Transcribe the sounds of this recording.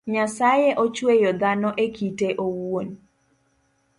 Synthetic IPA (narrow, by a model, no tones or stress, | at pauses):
ɲasajeʔot͡ʃwejɔd̪anɔʔekiteʔowon